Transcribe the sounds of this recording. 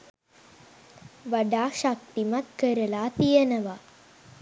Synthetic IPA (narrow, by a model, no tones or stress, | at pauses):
ʋaɖaːʃak̚t̪imat̪kəɾəlaːt̪ijənəʋa